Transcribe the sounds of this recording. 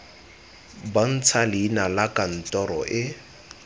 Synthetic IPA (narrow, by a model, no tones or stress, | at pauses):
ban̩t͡sʰalɪːnalakan̩tɔɾɔ̰ʔɪ